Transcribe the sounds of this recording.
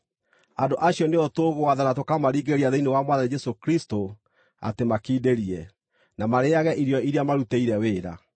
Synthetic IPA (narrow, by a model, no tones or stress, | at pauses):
andoʔaɕjɔneotoɣowaðanatokamaɾiɡeɾiaðeinewamwaðad͡ʒɛsokɾisto | a̰temakiːdeɾiɛ | namaɾeaɣɛʔiɾjɔiɾeamaɾuteiɾɛweːɾa̰